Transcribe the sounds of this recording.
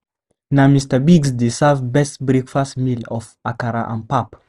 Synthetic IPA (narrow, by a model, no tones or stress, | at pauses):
namistəbiɡsdesavbɛstbɾekfastmilɔfakaɾa̰ʔã̰npap